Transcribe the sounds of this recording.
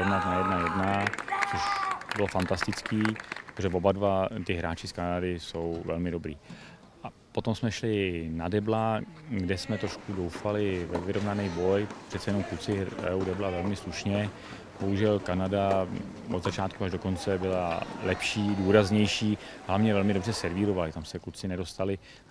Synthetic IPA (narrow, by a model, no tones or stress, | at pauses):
ɾovnat̪najɛdnajɛdnat͡so̞ʃbɪlofant̪ast̪ɪt͡skiːot̪oʒɛvobadvat̪ɪɦɾaːt͡ʃɪskanadɪso̞wvɛlmɪdo̞bɾiː | ʔa | po̞t̪o̞msmɛʃlɪnadɛblaɡdɛsmɛt̪ɾoʃkudowfalɪvɛvɪɾo̞vnanɛjbo̞jpr̥ɛt̪sɛjɛnomkut͡sɪɛuwdɛblavɛlmɪsluʃɲɛ | b̥o̞ɦuʒɛlkanada | ʔod̪zat͡ʃaːt̪kuaʒdo̞ko̞nt͡sɛbɪlalɛpʃiːduːɾazɲɛjʃiːɦlavɲɛvɛlmɪdo̞brɛsɛɾviːɾo̞valɪt̪amsɛklut͡sɪnɛdo̞st̪alɪ